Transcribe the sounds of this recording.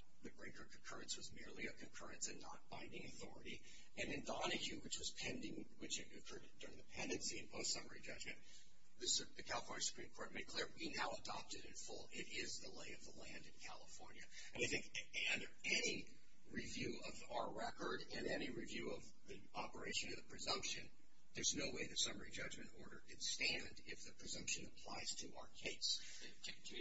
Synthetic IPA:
ðɨbɹeɪkʰə˞kʰɨ̃n̩kʰɜ˞ɨ̃nswʌzmɪɹlˠiɨkʰɨ̃n̩kʰɜ̰˞ɨ̃nsɨ̃nːə̰t̚b̥ãɪ̃ndɪ̃ŋɨθɔɹɨɾi | ɨ̃nɨ̃ndɑnɨkjʉwɨt͡ʃwʌz̥pʰɛ̃ndɪ̃ŋ | wɨt͡ʃɨɨkʰɜ˞ɾɨd̚ʊɹɪ̃ŋðɨpʰɛ̃ndɨ̃nsiɨ̃nbʰoʊθsʌmə̰˞id͡ʒʌ̰d͡ʒmɨ̃n | ðɨsðɨkʰælˠəfɔ̃ɹnjɨ˞sə̥pʰɹ̥ĩmkʰɔɹt̚meɪd̚kʰl̥ɪɹwinaʊədɑ̰p̚tɨɾɨ̃nfʊlˠɪɾɪzðəleɪʌvðəlæ̃ndɨ̃nkʰæ̰lˠəfɔɹnjɨ | ɨ̃naɪθɪ̃ŋkʌ̃ndə˞ɛni | ɹivjʉʌvaʊə˞ɹɛkə˞ɾɨ̃nɛniɹivjʉʌv | ði | ʔɑpə˞eɪʃɨ̃nʌðəpʰɹ̥ɨzʌ̃mpʃɨ̃n | ðə˞znoʊweɪðɨtsʌmə˞id͡ʒʌd͡ʒmɨ̃ntɔɹɾə˞ʔɨ̃nstæ̃ndɪfðɨpʰɹ̥ɨzʌ̃mpʃɨ̃nɨpʰl̥a̰ɪz̥tʰɨa̰ʊə˞kʰeɪs

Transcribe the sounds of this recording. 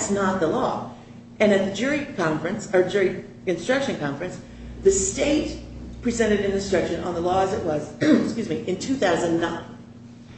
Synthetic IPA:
tsnət̪̚ðəlɔ | ɨ̃nɨt̪̚ðɨd͡ʒʊɹikʰɑ̃ɱfɹɨ̃nsə˞d͡ʒʊɹi | ɨ̃nstɹ̥ʌkʃɨ̃nkʰɑ̃ɱfɹɨ̃ns | ðɨsteɪt̚pʰɹ̥izɛ̃ɾ̃ɨɾɨ̃nɨ̃nstɹ̥ʌkʃɨ̃nə̰̃nðəlɔəzɨʔ̚wʌzskjʉzmiʔɨ̃ntʰʉθaʊzə̃nnãɪ̃n

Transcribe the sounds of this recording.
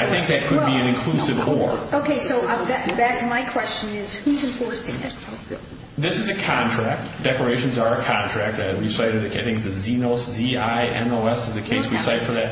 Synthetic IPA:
aɪθɪ̃ŋk̚ðɨt̚kʰɨd̚biɨ̃nɨ̃nkʰl̥usɨvɔɹoʊkʰeɪsoʊðɨtb̥æk̚tʰɨmaɪkʰw̥ɛst͡ʃɨ̃nɪz̥huzɨ̃ɱfɔɹsɪ̰̃ŋɪ̰t | ðɪsɨzɨkʰɑ̃ntʰɹ̥æk̚td̥ɛklə˞eɪʃɨ̃n̩zə˞ɨkʰɑ̃ntʰɹ̥æk̚t̚ðɨtwi̥saɪɾɨðɨɪθɪ̃ŋzðɨzinoʊsziaɪʔɛ̰̃noʊɛsɨzðɨkʰeɪswisaɪɨd̥fə˞ðɨt̚

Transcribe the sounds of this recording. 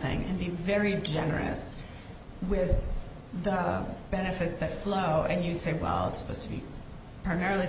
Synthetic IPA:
θɪ̰̃ŋɨ̰̃nbivɛɹid͡ʒɛnə̰˞ɨ̰s | wɪð | əb̥ɛnɨfɨtsðɨtfloʊʔɨ̃njɨseɪwɛ̰lˠə̰tsə̥pʰoʊz̥tʰəbḭ | pʰɹ̥aɪmɛɹl̩ˠi

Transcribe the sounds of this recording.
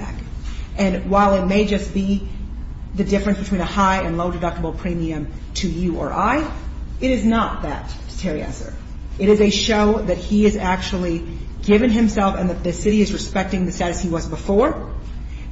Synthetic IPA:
æ̰kʔɨ̃nwaɪlˠɨt̚meɪd͡ʒʌsb̥i | ðɨdɪfɹɨ̃nsb̥ɨtʰĩnɨhaɪɨ̃nloʊdɨdʌk̚təbl̩ˠpʰɹ̥ĩmiɨ̃mtʰɨjɨʔə̰˞ʔaɪɨɾɨznət̪̚ðɨ̰t̚ | stʰɛɹiæ̰sə̰˞ | ɨɾɨzɨʃoʊðɨt̚hiɪzæk̚t͡ʃul̩ˠi | ɡɪvɨ̃nɨ̃msɛlˠfɨ̃nðɨt̪̚ðɨsɪɾiɨzɹɨspɛk̚tɪ̃ŋðɨsæɾɨsiwʌzbəfɔɹ

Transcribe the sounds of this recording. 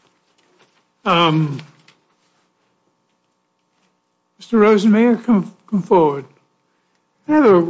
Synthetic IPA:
ʌ̃m | mɪstə˞ɹoʊzɨ̃nmeɪə˞kʰʌ̃ɱkʰʌ̃ɱfɔɹwəd̥̚ | næaðə

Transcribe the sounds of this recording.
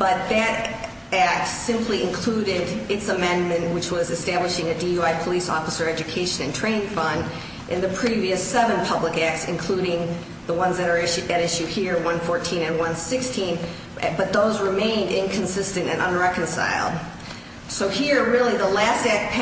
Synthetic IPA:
b̥ʌt̪̚ðɨɾ | æk̚tsɪ̃mpʰliɨ̃nkʰl̥uɾɪɾɨtsəmɛ̃nmɨ̃nʔwɨt͡ʃwʌzɨstæbləʃɪ̃ŋɨdiuaɪpʰəlisɔ̰fəsə˞ɛd͡ʒɨkʰeɪʃɨ̃nɨ̃ntʰɹ̥ẽɪ̃nfʌ̃nd | ʔɨ̃nðɨpʰɹ̥iviɨsɛvɨ̃npʰʌbləkæk̚tsɨ̃nkʰl̥uɾɪ̃ŋ | ðəwʌ̃nzðɨɾə˞ɪʃɨɾɪʃʉhiɹwʌ̃nfɔɹtʰĩnɨ̃nwʌ̃nsɪkstʰĩn | bʌt̪̚ðoʊzɹɨmẽɪ̃ndɪ̃nkʰɨ̃n̩sɪstɨ̃ntɨ̰̃nʔə̃nɹɛkɨ̃n̩sa̰ɪlˠd̥̚ | soʊhiɹɹɪlˠiðəlæstæk̚pʰ

